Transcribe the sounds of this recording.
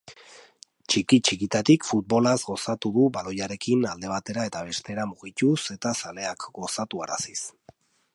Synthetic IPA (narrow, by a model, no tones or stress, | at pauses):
t͡ʃikit͡ʃikit̪at̪ikfut̪̚bo̞lazɡo̞sat̪uðuβalo̞jaɾe̞kinald̪e̞β̞at̪e̞ɾaet̪aβ̞e̞st̪e̞ɾamuɣ̞ic̪use̞t̪asale̞akɡo̞sat̪ua̰ɾa̰sis